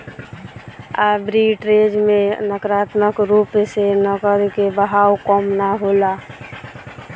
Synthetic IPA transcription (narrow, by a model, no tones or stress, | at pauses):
abɾiʈɾed͡ʒmenəkɾat̪məkɾupsenəɡəɾkebəɦawkɔmnaɦola